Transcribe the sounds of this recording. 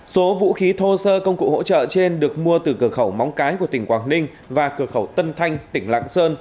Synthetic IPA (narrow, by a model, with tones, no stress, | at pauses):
so˨˦vṵ˧˥xi˨˦t̪ʰo˧səː˧kə˧wŋ͡mkṵ˧˨ho̰˧˥t͡ɕə̰ː˧˨t͡ɕe˧nɗɨ˨˩ək̚mu˧ət̪ɨ˨˩kɨ˧˩əxə˧˩wma˨˦wŋ͡mkaː˨˦jku˧˩ət̪ï˧˩ŋkwaː˨˩ŋnï˧ŋ̟ | vaː˨˩kɨ˧˩əxə˧˩wt̪ə˧nt̪ʰa˧jŋ̟t̪ï˧˩ŋ̟la̰ː˧˨ŋsəː˧n